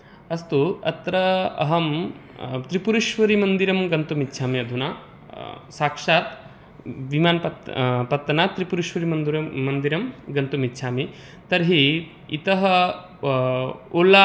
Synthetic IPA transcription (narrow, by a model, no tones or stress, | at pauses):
ɐst̪uɐ̰t̪ɾɐɐ̰ɦɐm | t̪ɾipuɾuʃʋɐɾimɐnd̪iɾɐmɡɐnt̪umit̪ːʃʰaːmiɐd̪ʱunaː | saːkʂaːt̪ | ʋimaːnɐpɐt̪ːɐnaːt̪ɾipuɾuʃʋɐɾimɐnd̪uɾɐːɐnd̪iɾɐmɡɐnt̪umit̪ːʃʰaːmi | t̪ɐɾɦi | ḭt̪ɐɦɐ | oːla